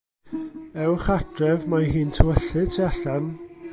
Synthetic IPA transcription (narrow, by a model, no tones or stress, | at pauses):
ɛwχadrɛvmaɦiːntʰəwəɬɨtʰiaɬan